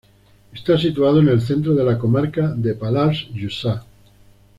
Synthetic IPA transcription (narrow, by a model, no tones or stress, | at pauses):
est̪asit̪uað̞oene̞lθe̞nt̪ɾoð̞e̞lako̞maɾkaðepalasʒusa